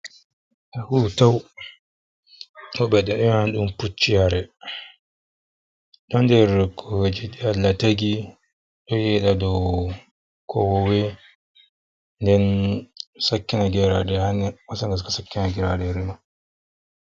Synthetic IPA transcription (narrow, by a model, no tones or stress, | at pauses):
ahutaw | ʔɔɓɛɗɛɗɛmhanɗumput͡ʃːihaɾɛ | ɗɔndɛɾkʰɔwed͡ʒiɗialːataɡi | ɗɔjɛɗadɔw | kʰɔwɔwɛ | ndɛn | sakːinaɡɛɾaɗɛhanːɛmasaŋɡaskasakːinaɡɛɾaɗɛɾima